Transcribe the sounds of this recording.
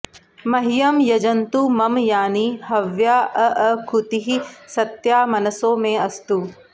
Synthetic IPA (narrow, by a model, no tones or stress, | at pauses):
mɐɦijɐmjɐd͡ʒɐnt̪umɐmjaːnihɐʋjaːəʔɐkʰut̪iɦisɐt̪jaːmɐnəsõːmẽɐst̪u